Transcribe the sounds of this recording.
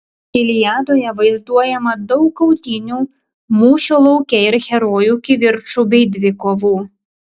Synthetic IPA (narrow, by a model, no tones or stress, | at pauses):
ɪlʲɪjɑːd̪oːjɛʋɐɪzd̪uɔjɛmɐd̪ɔʊkːɐʊt̪ʲɪnʲuː | muːʃʲolˠɐʊkʲɛɪɾxʲɛɾoːjuːkʲɪʋʲɪɾt͡ʃubʲɛɪd̪ʲʋʲɪkoːʋuː